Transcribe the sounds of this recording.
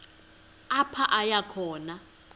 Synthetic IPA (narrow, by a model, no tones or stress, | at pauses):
apʰaʔajakʰɔːna